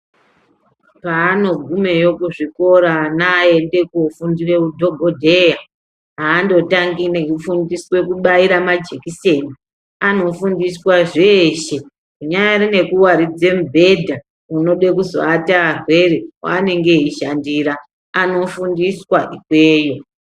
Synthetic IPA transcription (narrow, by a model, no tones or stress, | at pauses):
paːno̞ɡʱume̞jo̞kuʐiko̞ɾanaende̞kufundire̞udʱo̞ɡʱodʱe̞ja | ɦaːndo̞taŋɡineɦifundiswe̞kuɓaiɾamad͡ʒe̞kise̞ːni | ano̞fundiswaʐeʃe̞ | kuɲajarine̞kuwaɾid͡ze̞mbʱe̞dʱa | uno̞ɗe̞kuzoatarwe̞rewa̰ːne̞ŋɡe̞ɦiʃandiɾaː | no̞fundiswaʔikwe̞ːjo̞